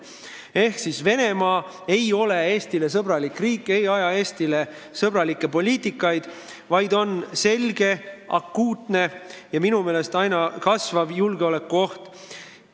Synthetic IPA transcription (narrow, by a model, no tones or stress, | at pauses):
e̞hksisve̞ne̞mɑː | e̞jo̞le̞e̞ːst̪ile̞s̬ɤbɾɑlikriːkːˑe̞jɑjɑe̞ːst̪ile̞ | sɤbrɑlikːˑe̞po̞lʲiːt̪ːˑikːˑɑjd̪̥ | vɑjd̪o̞nse̞lʲɡ̥e̞ʔɑkːuːt̪ne̞jɑminume̞ːle̞st̪ɑjnɑkɑsvɑbjulɡ̥eo̞le̞kːˑuo̞ht̪